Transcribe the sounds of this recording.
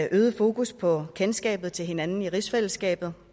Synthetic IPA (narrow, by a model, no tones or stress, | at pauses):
ʔøːð̞ˠəfo̝ːkuspʰɒ̽kʰensɡ̥ɛ̰ːb̥ð̩ˠt͡sʰe̝lɦe̝nænn̩iʁisfel̰̩sɡ̥ɛ̰ːb̥ð̩ˠ